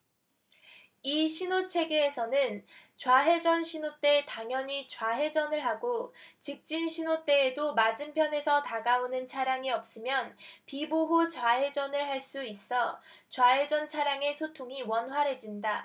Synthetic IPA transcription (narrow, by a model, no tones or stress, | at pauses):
iɕʰinot͡ɕʰe̞ɡeːsʰʌnɯnt͡ɕwaɦe̞d͡ʑʌnɕʰinot͈e̞taŋjʌɲit͡ɕwaɦe̞d͡ʑʌnɯɭɦaɡot͡ɕik̚t͡ɕ͈inɕʰinot͈e̞ːdomad͡ʑɯmpʰjʌne̞sʰʌtaɡaonɯnt͡ɕʰaɾjaŋiʌp̚s͈ɯmjʌnpiboɦot͡ɕwaɦe̞d͡ʑʌnɯɭɦaɭs͈uis͈ʌ | t͡ɕwaɦe̞d͡ʑʌnt͡ɕʰaɾjaŋe̞sʰotʰoŋiwʌnɸwaɾe̞d͡ʑinda